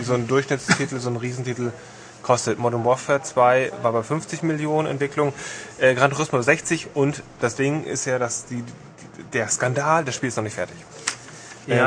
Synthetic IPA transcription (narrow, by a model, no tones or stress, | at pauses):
zoːndʊɐçʃnɪt͡stʰitl̩zoːnʁiːzn̩tiːtl̩ | kʰɔstətmɔɾʊmbɔfɛɐt͡sv̥aɪvaːɐbafʏnft͡sɪçmɪljoːnənɛ̰ntv̥ɪklʊŋəʔɛːɡʁantʰʊʁɪsmʊzɛçt͡sɪçʔʊntd̥asd̥ɪŋʔɪ̰stjaːdasd̥iː | d̥eːɐskandaːldasʃpiːlɪstnɔχnɪçtfɛɐtɪç